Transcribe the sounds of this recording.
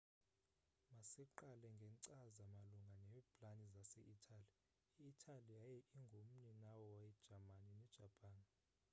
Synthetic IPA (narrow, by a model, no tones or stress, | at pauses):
masɛǃalɛŋɡʱɛǀazamaluŋɡʱanɛbʰʼlanizasɛ̰ʔitʰali | iːtʰaliajɛʔiŋɡʱom̩ɲɛnawɔwaɛd̥ʒ̥ʱamaninɛd̥ʒ̥ʱapʼaːn